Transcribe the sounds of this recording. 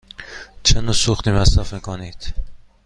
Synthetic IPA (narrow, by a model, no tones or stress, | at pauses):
t͡ʃʰenuːsuxt̪iːmæsɾæfmiːkʰonid̪̥